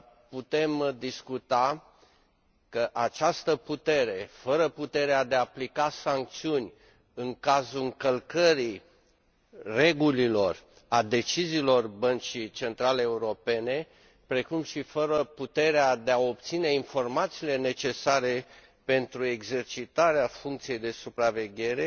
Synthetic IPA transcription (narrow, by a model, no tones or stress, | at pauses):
put̪e̞md̪iskut̪a | kəʔat͡ʃast̪əput̪e̞ɾe̞fəɾəput̪e̞ɾead̪eaːplikasaŋk̚t̪siunʲ | ɨŋkazuɨŋkəlkəɾi | re̞ɡulilo̞r | ad̪e̞t͡ʃiziːlo̞rbənt͡ʃit͡ʃe̞nt̪ɾaleːuɾo̞pe̞ne̞ | pɾe̞kumʃifəɾəput̪e̞ɾead̪e̞ao̞p̚t̪sine̞info̞rmat̪siːle̞ne̞t͡ʃe̞saɾe̞ | pe̞nt̪ɾue̞ɡze̞rt͡ʃit̪aɾeafuŋkt̪sije̞jd̪e̞supɾave̞ɡʲe̞ɾe̞